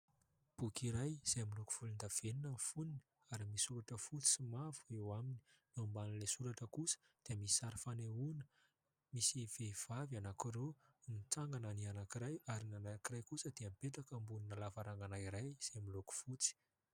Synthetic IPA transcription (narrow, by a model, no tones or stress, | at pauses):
b̥ukiɾajz̥aamiloku̥fulind̪av̥eninənfunini̥ | aɾimisuɾaʈ͡ʂəfut͡si̥simavuewamininambanilesuɾaʈ͡ʂəkusə̥ | d̪̥eəmisi̥saɾifaneunə̥ | misiv̥ev̥avanakiɾonit͡saŋɡananianakiɾajaɾinanaakirajkusəd̪eamipet̪akəmbuninalavaɾaŋɡanaiɾajz̥amiloku̥fut͡si̥